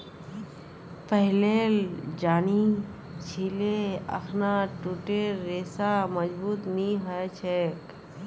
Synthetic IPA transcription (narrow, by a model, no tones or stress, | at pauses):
pəɦleːld͡ʒaːni | t͡ʃʰiːleə̰kʰnaʈuːʈeːeːsaməd͡ʒbuːt̪nĩɦɔet͡ʃʰek